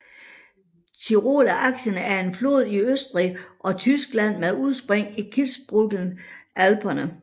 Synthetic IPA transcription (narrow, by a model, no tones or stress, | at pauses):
t͡sʰiʁo̝̰ːlæʔɑ̈ɡ̥ɕənəæɐe̝nflo̝ːð̰ˠiøsd̥ʁiʔɒ̽t͡sʰysɡ̥læn̰meðˠuð̞ˠsb̥ʁeŋ̰ikʰilsb̥ʁuɡ̥ln̩ʔælb̥ʰɐnə